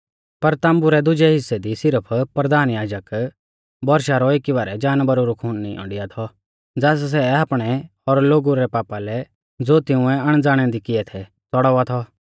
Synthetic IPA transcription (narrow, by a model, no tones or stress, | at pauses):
pɐɾt̪ãːmbuɾɛd̪ʊd͡ʒɛɦɪsːɛd̪isɪɾəpʰpɾɐd̪aːnjaːd͡ʒək | bɔɾʃaɾɔɪkiʋaːɾɛd͡ʒaːnbɐɾuɾukʰuːnnḭɔ̰̃ːɳɖɪjat̪ʰɔ | d͡zaːs̬s̬ɛaːpɽ̃ɛ | ɔɾloːɡuɾɛpaːpalɛ | d͡zoːt̪ɪ̃ʊ̃ɛ̃ɐɽ̃d͡zaːɽ̃ɛ̃d̪ikɪɛt̪ʰɛ | t͡sɔɽɔat̪ʰɔ